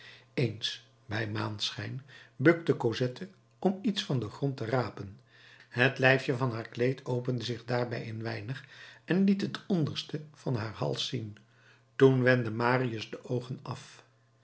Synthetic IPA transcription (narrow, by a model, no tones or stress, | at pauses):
ejns | bɛjmaːnsχɛjnbɵk̚təkozɛtʰə | ɔmitsfɑndəχrɔntəraːpən | hətlɛjfjəvɑnɦaːɹklejtʰowpəndəzɪχdaːɹbɛjɪnʋɛjnəχɛnlitɦətʰɔndəɹstəv̥ɑnɦaːɹhɑ̰lˠsin | tunʋɛndəmaːriəzdəʔowχənɑf